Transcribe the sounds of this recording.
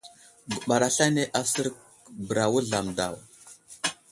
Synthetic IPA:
ɡu˨ɓa˨ɾa˨ɬa˦ne˦ʔa˦sə˦ɾk̚ | bə˨ɾa˨wu˦ɮa˨mda̰˨w

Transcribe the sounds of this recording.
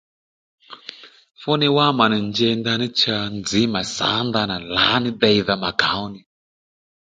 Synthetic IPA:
fɔ˦ni˦wa˦ma˨ni˨nd͡ʒɛ˧nda˧ni˦t͡ʃa˨˧nd͡zi˨˦ma˨sa̰˨˦nda˧na˨la˨˦ni˦dɛ˧i˨ða˨ma˨ɡa˨˦u˦ni˨

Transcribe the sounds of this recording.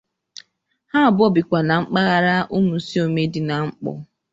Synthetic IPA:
ha˦a˨bɔ˦bi˨kʷa˨na˨ŋ͡m̩˦k͡pa˦ɣa˦ɾa˦ʔu˦mu˨˦si˦o˨me˦di˨na˨ŋ͡m̩˦k͡pɔ̰˨

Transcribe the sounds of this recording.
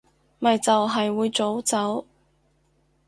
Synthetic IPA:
mɐ˨jt͡sɐ˨wɦɐ˨jwuː˨˧jt͡so˨˥wt͡sɐ˨˥w

